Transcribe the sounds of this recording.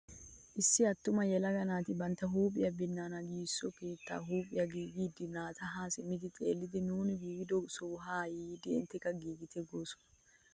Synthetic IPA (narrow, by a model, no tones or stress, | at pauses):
ʔɪsːɪɐt̪ːʊmɐjɛlɐɡɐnaːt̪ɪbɐnt̪ɐɦuːpʼːɪjɐbɪnːaːnɐɡiːsːɔkeːt̪ːa̰ːɦuːpʼɪjɐɡiːɡiːd̪ɪnaːt̪ʰɐɦaːsɪmːɪd̪ɪt͡sʼḛːlːɪd̪ɪnuːnɪɡiːɡɪd̪ɔsɔɦaːjiːd̪ɪɪ̰nt̪ːɛkːɐɡiːɡɪt̪ʰɛɡoːsɔ̥